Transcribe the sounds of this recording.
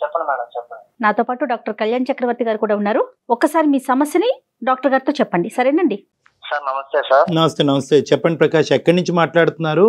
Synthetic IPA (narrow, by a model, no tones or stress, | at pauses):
t͡ʃɛpːɐɳimanɐt͡ʃɛpːɐɳnaːt̪oːpaːʈuɖaːk̚ʈɐɾkɐljaːɳɐt͡ʃɐkɾɐʋɐɾt̪iɡaːɾikuːɽaːunːaːɾuɔkːɐsaːɾimiːsɐmɐsjɐni | ɖaːk̚ʈɐɾɡaːɾit̪oːt͡ʃɛpːɐɳɖisɐɾeːɳɐɳɖi | saɾnɐmɐst̪eːsaːɾnɐmɐst̪eːnɐmɐst̪eːt͡ʃɛpːɐɳɖipɾɐkaːʂɐ̃ɛkːɐɽniɲt͡ʃimaːʈlaːɽut̪unːaːɾu